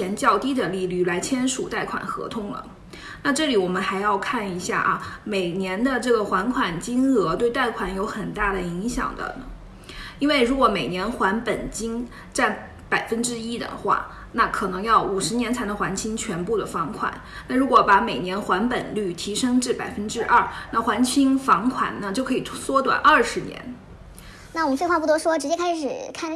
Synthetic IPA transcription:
ɛ˧˥nt͡ɕjɑ˥˧ʊt̪i˥d̪ə˨li˥˧ly˥˩la˧˥ɪt͡ɕʰjɛ˥nʂu˨˩t̪a˥˩ɪkʰwa̰˨˩nxɤ̰˧˥t̪ʰʊ˥ŋlə̰˩ | na˥˧ʈ͡ʂɤ˥˩li˨˥wɔ˨˩mə˦nxa˧˥ɪjɑ˥˧ʊkʰa˥˩ni˧˥ɕja̰˥˩ʔɐ̰˩me˨˩ɪnjɛ˧˥nd̪ə˧ʈ͡ʂɤ˥˩ɡə˩xwa˧˥nkʰwa˨˩nt͡ɕi˥ŋɤ˧˥t̪we˥˧ɪt̪a˥˩ɪkʰwa˨˩njo˧˥ʊxə˨˩nt̪a˥˩d̪ə˩i˧˥ŋɕjɑ̰˨˩ŋd̪ə̰˦ | i˥nwe˥˩ɪɻu˧˥kwɔ˧˥me˨˩ɪnjɛ˧˥nxwa˧˥npə˨˩nt͡ɕi˥ŋ | ʈ͡ʂa˥˩n | pa˨˩ɪfə˥nʈ͡ʂɻ̩˥i˥d̪ə̰˧˩xwa̰˥˩ | na˥˩kʰɤ˨˩nɤ˧˥ŋjɑ˥˩ʊu˨˩ʂɻ̩˧˥njɛ˧˥nt͡sʰa˧˥ɪ˧˥xwa˧˥nt͡ɕʰi˥ŋt͡ɕʰɥɛ˧˥npu˥˩d̪ə˩fɑ˧˥ŋkʰwa̰˨˩˦n | na˥˩ɻu˧˥kwɔ˧˥pa˧˥me˨˩ɪnjɛ˧˥nxwa˧˥npə˨˩nly˥˩t̪ʰi˧˥ʂɤ˥ŋʈ͡ʂɻ̩˥˩pa˨˩ɪfə˥nʈ͡ʂɻ̩˥ʔɐ˥˩na˥˩xwa˧˥nt͡ɕʰi˥ŋfɑ˧˥ŋkʰwa̰˨˩nna˥˧t͡ɕjo˥˩ʊkʰɤ˧˥i˨˩˥swɔ˥t̪wa̰˨˩˦nɐ˞˥˩ʂɻ̩˧˥njɛ̰˧˥n | na˥˩wmə˦fe˥˧xwa˥˧pu˥˩t̪wɔ˥ʂwɔ˥ʈ͡ʂɻ̩˧˥t͡ɕjɛ˥kʰa˥ɪʂɻ̩˨˩kʰa˥˩

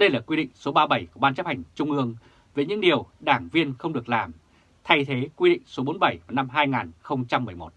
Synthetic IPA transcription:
ɗə˧jlaː˨˩kwi˧ɗḭ̈˧˨ŋ̟so˨˦ɓaː˧ɓə˧˩jku˧˩ɓaː˧nt͡ɕə˦˥p̚ha˨˩jŋ̟t͡ɕʊ˧ŋ͡mʔɨ˧əŋ | vəː˨˦jɲɨ̰˧˥ŋɗi˨˩əwɗaː˧˩ŋvi˧ənxə˧wŋ͡mɗɨ˨˩ək̚laː˨˩m | t̪ʰa˧jt̪ʰe˨˦kwi˧ɗḭ˧˨ŋ̟so˨˦ɓo˨˦nɓə˧˩jvaː˨˩na˧mɦaː˧jŋaː˨˩nxə˧wŋ͡mt͡ɕa˧mːɨ˨˩əjmo˨˩t̚

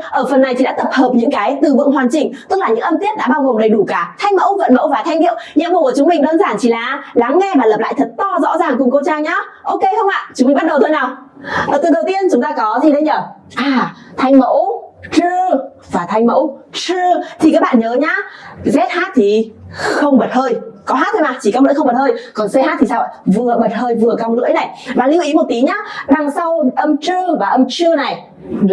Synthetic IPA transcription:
ʔəː˧˩fə˨˩nːa˨˩jt͡ɕʰi˨ɗa̰ː˧˥t̪ə˨˩p̚həː˨˩p̚ɲɨ̰˧˥ŋkaː˨˦jt̪ɨ˨˩vɨ̰˧˨ŋɦwaː˨˩nt͡ɕï˨˩ŋ̟t̪ɨ˦˥k̚laː˨˩ɲɨ̰˧˥ŋʔə˧mt̪i˦˥ət̚ɗa̰ː˧˥ɓaː˧wɣo˨˩ŋ͡mɗə˨˩jɗu˧˩kaː˧˩t̪ʰa˧jŋ̟mə̰˧˥wvə̰˧˥nmə˧˥wvaː˨˩t̪ʰjŋ̟ʔi˧˨əwɲɨ̰˧˥˦mə˨˩kə˧˩t͡ɕʊ˨˦ŋ͡mmï˨˩ŋ̟ɗəː˧nzaː˧˩nt͡ɕi˧˩laː˨˩la˨˦ŋːɛ˧vaː˨˩lə˨˩p̚la̰ː˧˨jt̪ʰə˨˩t̚t̪ɔ˧zɔ̰˧˥zaː˨˩ŋkʊ˨˩ŋ͡mko˧t͡ɕaː˧ŋɲaː˨˦ʔo˧ke˧xə˧wŋ͡mʔa̰ː˧˨t͡ɕʊ˨˦ŋ͡mmi˨˩ŋ͡mɓ̚ɗə˨˩wt̪ʰo˧jnaː˨˩w | ʔəː˧˩t̪ɨ˨˩ɗə˨˩wt̪i˧ənt͡ɕʊ˨˦ŋ͡mt̪aː˧kɔ˨˦t̪ʰi˧ɗə˧jɲəː˧˩ | ʔaː˨˩t̪ʰa˧jŋ̟mə̰˧˥wt͡ɕɨ˧ | vaː˨˩t̪ʰa˧jŋ̟mə̰˧˥wt͡ɕɨ˧ət̪ʰi˨˩kaː˦k̚ɓa̰ː˧˨nɲəː˨˦ɲaː˧˥zɛ˦˥t̚haː˦˥t̚t̪ʰi˨˩xə˧wŋ͡mɓə˨˩t̚həː˧jkɔ˨˦ɦaː˦˥t̚t̪ʰːo˧jmaː˨˩t͡ɕi˧˨˩kaː˧˦wnɨ˧˥xə˧ŋ͡mɓə˨˩t̚həː˧jkɔ˨˩nsə˧jhaː˦˥t̚t̪ʰi˨˩saː˧˩ə̰˧˨˩vɨ˨˩ə˩ɓə˨˩t̚həː˧jvɨ˨˩əka˧wnɨ̰˧˥əjna˨˩jvaː˨˩lḭ˧˥˦wʔi˨˦mo˨˩t̚t̪i˨˦ɲaː˨˦ɗa˨˩ŋsa˧wʔə˧mt͡ɕɨ˧əvaː˨˩ʔə˧mt͡ɕɨ˧əna˨˩j

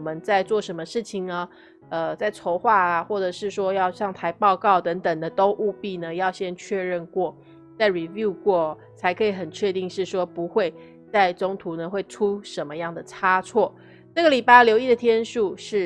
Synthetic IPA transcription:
mə˦nt͡sa˥˧ɪt͡swɔ˥˩ʂə˧˥nmə˧ʂɻ̩˥˩t͡ɕʰi˨ŋə˩ | ə˧t͡sa˥˩ɪʈ͡ʂʰo˧˥ʊxwa˥˩a˩xwɔ˥˩ʈ͡ʂɤ˨˩ʂɻ̩˥˩ʂwɔ˥jɑ˥˧ʊɕjɑ˥˩ŋt̪ʰa˧˥ɪpɑ˥˧ʊkɑ˥˩ʊt̪ə˧˥ŋt̪ə˨˩ŋd̪ə˦t̪o˥ʊʔu˥˧pi˥˩nə˩jɑ˥˩ʊɕjɛ˥nt͡ɕʰɥɛ˥˧ɻə˥˧nkwɔ˥˩ | t͡sa˥˩ɪɻi˨˩vju˥˧kwɔ˥˩ | t͡sʰa˧˥ɪkʰɤ˧˥i˧˩xə˨˩nt͡ɕʰɥɛ˥˧t̪i˥˧ŋʂɻ̩˥˩ʂwɔ˥pu˧˥xwe˥˧ɪ | t͡sa˥˩ɪʈ͡ʂo˥ŋt̪ʰu˧˥˦nə˨xwe˥˩ɪʈ͡ʂʰu˥ʂə˧˦nmə˧jɑ˥˩ŋd̪ə˩ʈ͡ʂʰa˥t͡sʰwɔ˥˩ | ʈ͡ʂɤ˥˩ɡə˨˩li˨˩pa˥˩ljo˧˥ʊi˥˩d̪ə˩t̪ʰjɛ˥nʂu˥˧ʂɻ̩˥˩

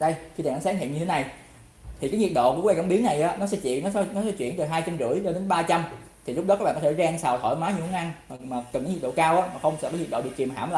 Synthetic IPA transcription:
ɗə˧jxi˧aː˨˩ʔa˨˦saː˨˦˥ŋhḭ˧˨əɲɨ˧t̪ʰe˦na˨˩j | t̪ʰi˨˩kaː˨˦ŋi˨˩t̚ɗo̰˧˨ku˧˩˥wkə˧˩˦ɓi˨˦əŋna˨˩jʔaː˨˦nɔ˨˦sɛ̰˧˥t͡ɕḭ˧˨ənɔ˨˦˧nɔ˨˦sɛ̰˧˥t͡ɕwḭ˧˨ənt̪əː˨˩ɦaː˧jt͡ɕa˧mt͡ɕɨ̰˧˩˥əjt͡ɕɔ˧ɗe˨˦nɓaː˧t͡ɕa˧m | t̪ʰi˨lʊ˦˥k͡p̚ɗɔ˨˦kːa˦kɓaː˧˨kɔ˦t̪ʰːzaː˧ŋsaː˨˩wt̪ʰɔ̰˧˩jmaː˨˦ɲ˧˩hu˨˦ŋʔa˧nmː˨˩maː˨˩kə˨˩naː˨˦ɲi˨˩ɗo̰˧˨kaː˧wʔaː˨˦˥maː˨˩xə˧wŋ͡msɛ̰˧˥kːaː˨˦jɲ̚˨˩ɗo̰˧˨ɨ˨˩k̚i˨˩mɦa̰ː˧˩mlaː˨˩

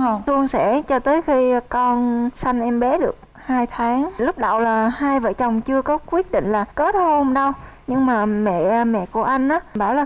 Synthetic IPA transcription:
ŋ͡mɨ˧əŋsɛ̰˧˩˥t͡ɕɔ˧t̪əː˨˦jxi˧kɔ˧nsa˧jŋ̟ʔɛ˧mɓɛ˨˦ɗɨ˨˩ək̚ | haː˧jt̪ʰaː˨˦ŋlʊ˦˥k͡p̚ɗa̰˧˨wlaː˨˩haː˧jvə̰ː˧˩t͡ɕə˨˩wŋ͡mt͡ɕɨ˧əkɔ˨˦kwi˦˥ət̚ɗḭ̈˧˨ŋ̟laː˨˩kəː˨˦˥tho˧mɗə˧wɲɨ˧ŋmaː˨˩mɛ̰˧˨mɛ̰˧˨ku˧˩əʔa˧jŋ̟ʔaː˨˦ɓaː˧˩wlaː˨˩

